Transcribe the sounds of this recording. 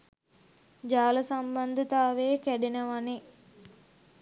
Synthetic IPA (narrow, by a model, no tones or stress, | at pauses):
d͡ʒaːləsamband̪ət̪aːʋeːkæɖenəʋane